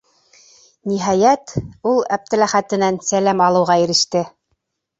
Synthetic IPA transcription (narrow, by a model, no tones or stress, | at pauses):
niɦɑjæt̪ulˠæp̚t̪ɘ̆læχæt̪ɘ̆nænsælæmɑlˠɤ̆wʁɑĭɾɘ̆ʃt̪ɘ